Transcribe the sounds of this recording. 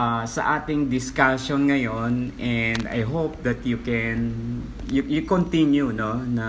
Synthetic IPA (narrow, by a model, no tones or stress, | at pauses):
asɐ̰ʔaːt̪ɪŋd̪ɪskasonŋɐjonʔɛnd̪ɐ̰jɦowp̚d̪ɐt̪̚jukɛn | jujukont̪injunonɐ